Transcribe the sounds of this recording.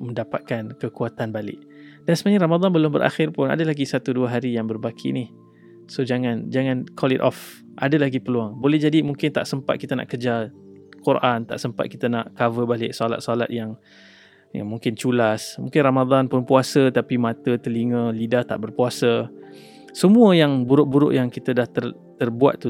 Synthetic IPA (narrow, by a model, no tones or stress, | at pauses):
mə̃ndapat̪̚kankəkuat̪anbalɪ̰ʔ | dansəmaɲaɾamad̪ˤanbəlʊmbəɾʔa̰xɪrpʊna̰dalaɡisat̪uduəɦaɾijaŋbərbakʰḭnih | sod͡ʒaŋãnd͡ʒaŋãnkʰɔlɪ̰t̪ʔɔf | ʔa̰dalaɡipəluaŋbolɛhd͡ʒadimuŋkɪnt̪a̰ʔsəmpa̰t̪̚kit̪ana̰ʔkərd͡ʒakurant̪a̰ʔsəmpa̰t̪̚kit̪əna̰ʔkavəbalɪʔsɔla̰t̪̚sla̰t̪̚jaŋ | ja̰ŋmũŋkɪnt͡ʃulasmṵŋkɪnramad̪anpʊnpuasət̪apimãt̪ət̪əliŋə̃lidaht̪a̰ʔbərpuasə | səmũəjaŋbuɾʊʔ̚buɾʊ̰ʔjaŋkit̪ədaht̪ər | t̪ərbua̰t̪̚ːu